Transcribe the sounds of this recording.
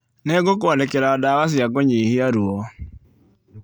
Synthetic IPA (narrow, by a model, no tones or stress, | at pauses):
nɛɡokwɔnɛkɛɾaɔdawas̬iaɡɔɲehiaɾuɔ